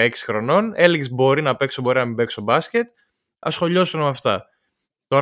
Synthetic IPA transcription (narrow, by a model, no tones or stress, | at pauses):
eksi̥xɾo̞no̞ne̞liɣzbo̞ɾinɐpe̞ksobo̞ɾinɐmibe̞ksobɐscet̪ | ɐ̰sxo̞ʎo̞sunmɐft̪ɐ | t̪o̞